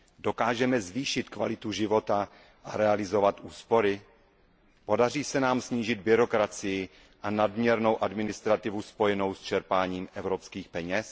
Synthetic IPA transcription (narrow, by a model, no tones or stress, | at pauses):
do̞kaːʒɛmɛzviːʃɪt̪kva̰lɪt̪uʒɪvo̞t̪a | ʔaɾɛalɪzo̞vat̪ʔuːspo̞ɾɪ | po̞dar̝iːsɛnaːmsɲiːʒɪd̪̚bɪɾo̞kɾat͡sɪjɪ | ʔanadmɲɛɾnowʔadmɪnɪst̪ɾat̪ɪvuspo̞jɛno̞wst͡ʃɛɾpaːɲiːmʔɛvɾopskiːxpɛɲɛs